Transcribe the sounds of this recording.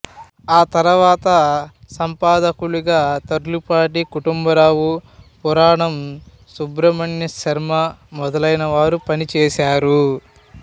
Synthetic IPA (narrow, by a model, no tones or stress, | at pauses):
aːt̪ɐɾɐʋaːt̪ɐ | sɐmpaːd̪ɐkuɭuɡaːt̪ɐɾlupaːʈ̬ikuʈumbɐɾaːʋupɔɾaːɳɐm | subɾɐmɐɳjɐʃɐɾmɐmɔd̪ɐlɐjnɐʋaːɾupɐnit͡ʃɛːʃaːɾu